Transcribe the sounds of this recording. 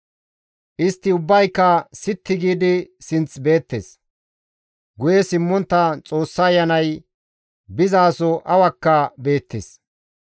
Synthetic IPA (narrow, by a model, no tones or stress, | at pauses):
ʔɪst̪ːɪʊbːɐjkːɐsɪt̪ːɪɡiːd̪ɪsɪnt͡sbe̞ːt̪ːḛs | ɡʊjɛsɪmːɔnt̪ːɐt͡sʼo̞ːsːɐːjːɐnɐj | bɪzaːsɔʔɐwɐkːɐbe̞ːt̪ːes